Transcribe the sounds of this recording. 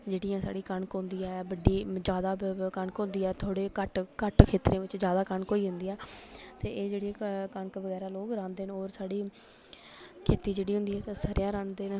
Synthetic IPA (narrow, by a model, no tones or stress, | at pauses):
d͡ʒeːɽijãːsa̰ːɽiːkəɳkɦʊ̃nd̪iːɛːbəɖːiːd͡ʒjaːd̪aːkəɳkɦʊ̃nd̪iːɛːt̪ʰoːɽeːkəʈkəʈkʰeːt̪ɾẽːʋɪt͡ʃd͡ʒjaːd̪aːkəɳkoːiːɦʊnd̪iːɛːt̪eːʔeːd͡ʒeːɽijãːkəɳkʋəɡɛːɾaːloːɡɾãːnd̪eːnoːɾsaːɽiː | kʰeːt̪iːd͡ʒeːɽiːɦʊ̃nd̪iːɛːt̪səɾjãːɾãːnd̪eːn